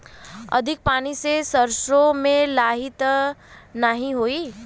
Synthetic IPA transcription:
ə̰d̪ʱik̚paɽ̃isesəɾʃomẽlaɦit̪ | naɦĩɦoi

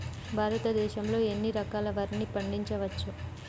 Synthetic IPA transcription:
bʱaːɾɐt̪ɐd̪ɛːʃɐmlo̞ːe̞nːiɾɐkaːlɐʋɐɾnipɐɳɖiɲt͡ʃɐʋɐt͡ʃːu

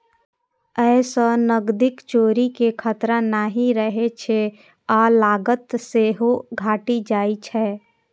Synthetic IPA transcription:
ɛːsənəɡd̪ɪkt͡ʃoːɾikekʰət̪ɾãnaːɦiɾəɦet͡ʃʰe | aːlaːɡət̪seɦoɡʱaːʈid͡ʒaːit͡ʃʰɛː

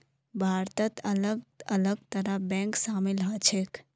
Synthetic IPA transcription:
bʱaːɾt̪ət̪ələɡələɡt̪əɾəbɛ̃ŋksaːmilɦət͡ʃʰek

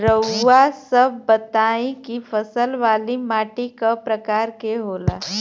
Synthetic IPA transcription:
ɾəwːasəb̚ːət̪aːĩkifʰəsəlʋaːlimaːʈikapɾəkaːɾkeɦoːla̰ː

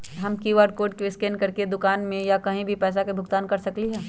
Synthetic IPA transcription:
ɦɐmkiːʋaːɖ̚koːɖ̚keɪskeːnkɐɾked̪ʊkaːnmẽjakɐɦĩbʱipɛːs̬akebʱʊɡ̚t̪aːnkɐɾsɐkliɦɛː

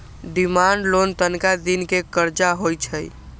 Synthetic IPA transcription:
ɖimaɳɖlont̪ənkad̪inkekəɾd͡ʒaɦojt͡ʃʰəj

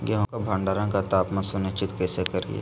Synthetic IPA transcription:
ɡɛɦõkabʱɐ̃ɳɖaːɾãkat̪aːpmɐsʊnɪt͡ʃɪt̪kɛːsekɐɾɡḭja̰

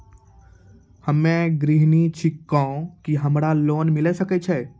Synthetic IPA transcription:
həmːẽɡɾɪɦnit͡ʃʰɪkːãõkiɦɐmɾaloːnmɪlesəkɛt͡ʃʰɛː

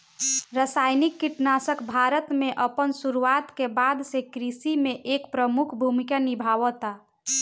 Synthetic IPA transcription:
ɾəsajnikːiʈnasəkbʱaɾət̪mẽʔəpənsuɾuat̪kebad̪sekɾisimẽʔekpɾəmukʰbʱumikanibʱaʋɔt̪a

